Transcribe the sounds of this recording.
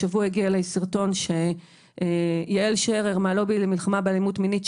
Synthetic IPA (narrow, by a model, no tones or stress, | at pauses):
avuaiɡialesiʁto̞nʃe | jeelʃeʁeʁmalo̞bilemilχamabealimutminit